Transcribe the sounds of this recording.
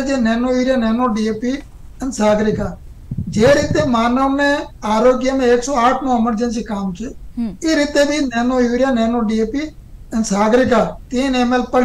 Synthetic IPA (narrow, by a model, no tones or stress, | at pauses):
d͡ʒeːnɛːnoːuːɾɪjaːnɛːnoːɖieːpiː | ənsaːɡɾɪkaː | d͡ʒeːɾɪːt̪eːmaːnoːmnẽːaːɾoːɡɪjaːmẽːeːksoːaːʈʰnõːəməɾd͡ʒənsiːkaːmt͡ʃʰeːeːɾɪt̪eːbʱiːnɛːnoːjuːɾjaːnɛːnoːɖiːeːpiː | ənsaːɡɾɪkaːt̪iẽneːmeːlpəɽ